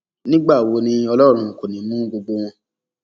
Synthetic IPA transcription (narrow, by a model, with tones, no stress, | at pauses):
nĩ˦ɡ͡ba˦˨wo˧nĩ˧ɔ˧lɔ˦˨ɾ̃ũ˧˨ko˨nĩ˨˦mũ˦ɡ͡bo˧ɡ͡bo˧w̃ɔ̃˧